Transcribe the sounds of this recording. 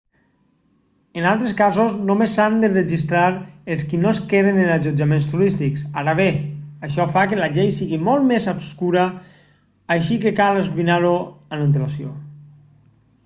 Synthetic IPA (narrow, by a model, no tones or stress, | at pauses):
ənalˠt̪ɾeskazoznomesand̪ərəʒist̪ɾaɾəlˠskinoeskeð̞enənaʒud͡ʒamenst̪uɾist̪iksaɾaβeaʃɔfakəlaʎejsiɣimolˠt̪mezapskuɾəː | ʃikəkalˠəzβinaɾoənənt̪̬əlasio̰